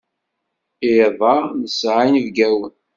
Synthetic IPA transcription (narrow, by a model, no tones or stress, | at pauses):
ɪðˤɑnəsʕajnvɡæwən